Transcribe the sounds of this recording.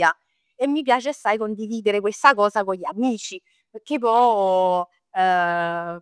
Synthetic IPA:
a | emːipjaːt͡ʃesːajkond̪iviːd̪eɾekwest̪akɔːzakoʎːamiːt͡ʃi | pek̟ːep̬ːɔ

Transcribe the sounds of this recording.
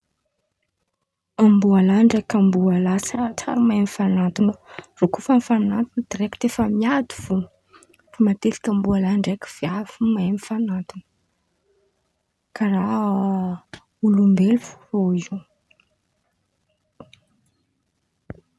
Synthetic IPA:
ambualaɳɖ͡ʐekambualasət͡sa̰ɾumajmifanat̪unərokufamifanat̪unəd̪iɾekt̪efəmiad̪uv̥un | fimat̪eti̥kʲambualaɳɖ͡ʐaki̥v̥javimajmifanat̪unə̥ | kara | ulumbelufu̥rou

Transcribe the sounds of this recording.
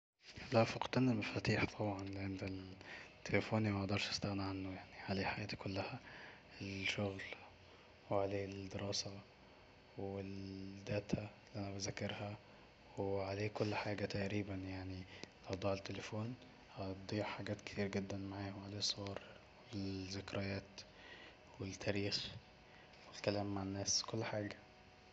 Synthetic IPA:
læfɑqt̪ænelmæfæt̪iːħt̪ˤʰɑbʕɑnlʕend̪elt̪ʰːelefoːnimæʔd̪ˤɑɾˤʃæ̥st̪æɣnaʕanːojaʕniʕaleːħajʔæːt̪i̥kolːæhæ | elʃoɣl | weʕaleːld̪eɾɑːsæ | weld̪æːt̪ʰælːiːʔænæbæzækːɑɾhæ | weʕaleːkolːħaːɡæt̪æʔɾiːbænjaʕnilʔɑwd̪ˤɑːʕet̪ːelefoːn | hɑd̪ˤiːʕħaɡæːt̪ke̥t̪iːɾɡed̪ːænmaʕaːhomʕaleːsˤːowɑːɾˤ | wezekɾejæːt̪ | wet̪ʰːæːɾiːx | welkælæːmːaʕenːæːskolːħaːɡæ

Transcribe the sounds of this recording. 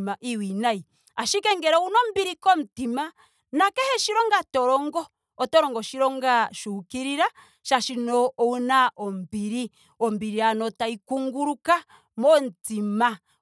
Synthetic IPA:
maʔiwinai | aʃikɛŋɡɛɾɔunɔm̩biɾikɔm̩tima | nakɛhɛʃiɾɔŋɡatɔɾɔŋɡɔː | tɔɾɔŋɡɔʃiɾɔŋɡaʃukiɾiɾa | ʃaʃinɔunaɔm̩biɾi | ɔmbiɾianɔtaikuŋɡuɾuka | mɔntima

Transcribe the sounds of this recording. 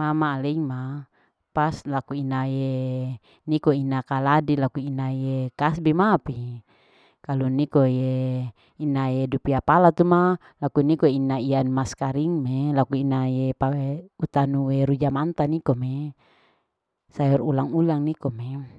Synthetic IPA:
mamaːleiŋma | paslakuinaje | nikoinakaladilakuinajekasbimapi | kalunikoje | inajedupiapalat̪uma | lakunikoinːaianumaskaɾiŋmelakuinajepaeut̪anuweɾud͡ʒamant̪anikome | sajɔrulaŋulaŋnikome

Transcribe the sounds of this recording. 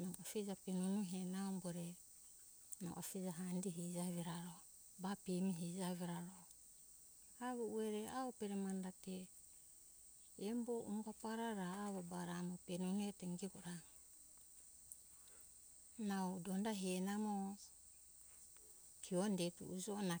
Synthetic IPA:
nawafid͡ʒapenunuɦenaomboɾe | na̰w̰ʔa̰fid͡ʒaɦandiɦid͡ʒaβiɾaɾo | bapimiɦid͡ʒaβiɾaɾo | aβuueɾeaopeɾemandate | mboʔuŋɡapaɾaɾaːβabaɾamopenuneteŋɡiɡoɾaŋ | nawdondaɦenamo | kʰiondetṵʔud͡ʒona

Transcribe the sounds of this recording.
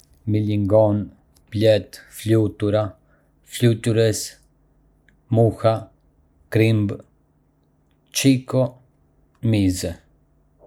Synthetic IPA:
miliŋɡɔn | plɛt̪flut̪uɾa | flut̪uɾɛs | muha | kɾimb | t͡ʃikɔ | mizɛ

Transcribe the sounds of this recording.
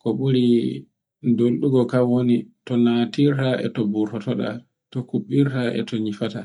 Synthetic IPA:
kɔɓuɾi | ndolɗuɡɔkawonitɔnatiɾtaɛ̰tɔbuɾtɔtɔɗa̰ | tɔkuɓːiɾtaʔɛ̰tɔɲifata

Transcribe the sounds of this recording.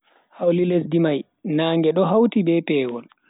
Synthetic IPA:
hawlilesdimaj | naːŋɡɛɗɔɦawtibɛpɛːɡɔl

